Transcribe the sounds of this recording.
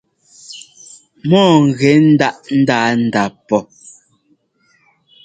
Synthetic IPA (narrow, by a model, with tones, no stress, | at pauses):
mɔː˦˨ŋ̩˨ɣɛ˨˦n̩˦da˦ʔn̩˦daː˦n̩˦˨da˨pɔ˨